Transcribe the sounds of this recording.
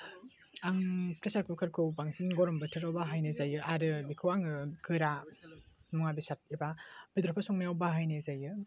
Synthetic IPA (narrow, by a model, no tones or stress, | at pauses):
aŋpɾesaɾkʰukʰaɾkʰɯwbaŋsinɡɔɾɔmbɯtʰɯɾawbaɦajnɯzajɯʔaɾɯbikʰɯwaŋɯɡɯɾa | mɔŋabisat̚ibab̥id̪ɾɔpʰasɔŋnajawbaɦajnɯzajɯ